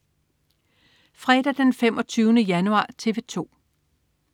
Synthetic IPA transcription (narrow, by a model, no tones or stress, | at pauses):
fʁɛd̥ɐd̥enfemʔɒ̽t͡sʰyːʊnəjænuɑ̰̈ːt͡sʰe̝ʋe̝t͡sʰo̝̰ː